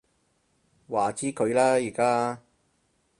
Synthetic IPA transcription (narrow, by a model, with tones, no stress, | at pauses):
waː˨˩t͡siː˥kʰɵ˨˧ɥlaː˥jiː˨˩kaː˥